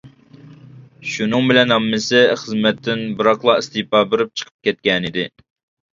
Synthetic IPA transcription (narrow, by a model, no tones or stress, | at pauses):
ʃunɨŋbɪlɛnɦɑmːɪsɪχəzmɛt̪ʰːɪnbɨɾɑχlˠɑist̪ɨpɑːbɪɾɪp̚t͡ʃʰə̥qʰə̥p̚kʲɛt̪̚kʲɛnɪd̪ɪ